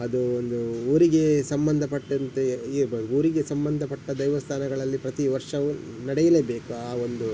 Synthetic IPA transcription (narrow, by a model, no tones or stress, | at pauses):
ɐd̪uond̪uuːɾiɡe̞sɐmbɐnd̪ʱɐpɐʈːɐnt̪eiɾbɐuːɾiɡe̞sɐmbɐnd̪ʱɐpɐʈːɐd̪ɐjʋɐst̪ʰaːnɐɡɐɭɐlːipɾɐt̪iʋɐɾʂɐʋu | nɐɽɛjɐlebe̞ːkuaːo̞nd̪u